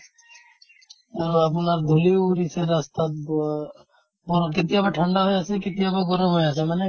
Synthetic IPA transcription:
ɐɾəpnaɾd̪ʱuliuɾiseɾast̪a | boɾkɪt̪̬jabaʈʰə̃ɳɖaɦojasekɪt̪ijabaɡʊɾəmɦojasʰamɛne

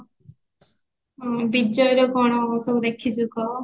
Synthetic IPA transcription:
bid͡ʒɔjɾɔkɔɽ̃ɔːbɔsɔud̪ekʰit͡ʃʰukɔ

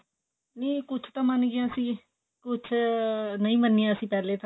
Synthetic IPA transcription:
niːkʊt͡ʃʰt̪ãːmənɡijãːəsĩː | kʊt͡ʃʰnəĩːmənːijãːəsĩːpɛːleːt̪ã

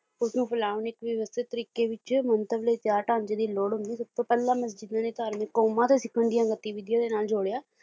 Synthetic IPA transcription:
ʊsnũːpʰəlaːʋənɪkʋɪʋəst̪ʰɪt̪ːəɾiːkeːʋɪt͡ʃmənt̪əbleːt̪jaːɾʈãːɲd͡ʒeːd̪iːloːɽɦʊ̃nd̪iːsəb̚t̪õːpɛlːaːməsd͡ʒɪd̪nãːneːt̪aːɾmẽːkoːmãːt̪eːsɪkʰːəɳd̪ɪjãːɡət̪ːiːʋɪd̪jãːd̪eːnaːld͡ʒoːɽjaː

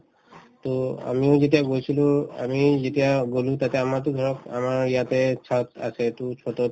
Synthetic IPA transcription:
t̪oa̰miozet̬iaɡojsʰilua̰mizetiaɡolũt̪at̪ɛamaɹt̪oɡʱɔɹɔka̰maɹjat̪et͡ʃʰat̪a̰sʰɛt̪ut͡ʃʰɔt̪ɔ

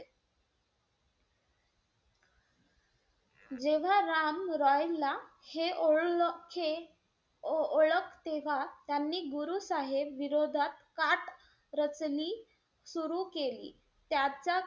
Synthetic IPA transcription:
d͡ʑeʋ̤aɾamɾɔjla | heokʰe | oɭəkt̪eʋ̤at̪janːiːɡuɾuːsaɦebʋiɾod̪ʱat̪kaʈ | ɾət͡sliː | suɾukelḭː | t̪jat͡ɕa

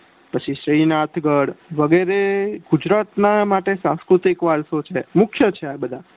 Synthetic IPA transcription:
pət͡ʃʰiʃɾinat̪ʰɡəɽʋəɡeɾeɡud͡ʒɾat̪namaʈesãskɾut̪ikʋaɾsot͡ʃʰemʊkʰjət͡ʃʰeabəd̪ʱa

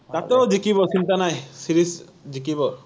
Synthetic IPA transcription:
t̪at̪eod͡ʒikiβɔsint̪anajsiɾis | d͡ʒikibɔ

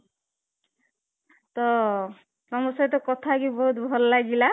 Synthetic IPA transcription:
t̪ɔ | sɔmɔsajt̪ɔkɔt̪ʰakibɔɦut̪bʱɔlɔlaɡila

